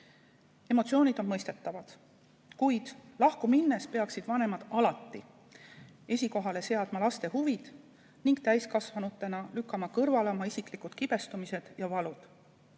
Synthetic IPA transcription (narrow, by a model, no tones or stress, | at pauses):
e̞mo̞t̪sioːnid̪̥o̞nmɤjst̪e̞t̪ːɑvɑd̪̥ | kujd̪̥lɑhkuminːespe̞ɑksid̪̥vɑne̞mɑd̪̥ɑlɑt̪ˑːi | e̞sʲiko̞ɦɑle̞se̞ɑd̪̥mɑlɑst̪e̞huvid̪̥ | niŋɡt̪æjskɑsvɑnut̪ːˑe̞nɑlykːˑɑmɑkɤrvɑleomɑisiklikud̪̥kib̥e̞st̪umise̞d̪̥jɑvɑlud̪̥